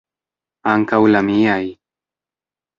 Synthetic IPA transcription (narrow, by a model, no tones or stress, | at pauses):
aŋkawlamiaj